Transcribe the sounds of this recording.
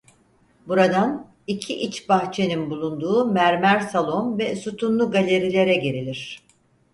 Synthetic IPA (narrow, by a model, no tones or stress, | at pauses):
buɾad̪an | icʰiʔit͡ʃbaxt͡ʃʰe̞ninbulˠund̪uːmæɾmæɾsalˠo̞nvɛsut̪ʰunlˠuɡalʲe̞ɾilʲe̞ɾɛɟe̞ɾilʲiɾ̝̥